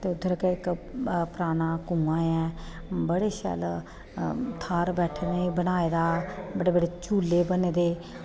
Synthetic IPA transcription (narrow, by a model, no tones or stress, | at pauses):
t̪eːʊd̪ʱːəɾkeɪkpɾaːnãːkũːãːɛ̃ː | bəɽeːʃɛ̰ːl | t̪ʰaːɾbɛːʈʰːneːbənaːeːd̪aːbəɽeːbəɽeːt͡ʃuːleːbəneːd̪eː